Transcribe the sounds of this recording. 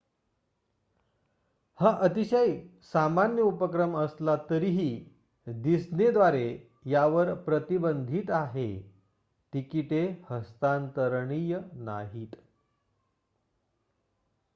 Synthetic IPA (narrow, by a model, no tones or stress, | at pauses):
haʔət̪iɕəjsamanjəupəkɾəməslat̪əɾiɦiː | d̪isned̪ʋaɾe | jaʋəɾpɾət̪ibənd̪ʱiːt̪aɦe | t̪ikiʈehəst̪ant̪əɾɳijəna̰ɦiːt̪